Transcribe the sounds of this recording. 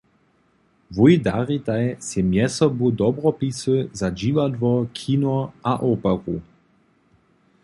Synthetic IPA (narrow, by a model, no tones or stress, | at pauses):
vujd̪aʁit̪ajsɛmjɛsɔbud̪ɔbʁɔpisɨzad͡ʒivad̪vɔkʰiːnɔʔaʔoːpaʁu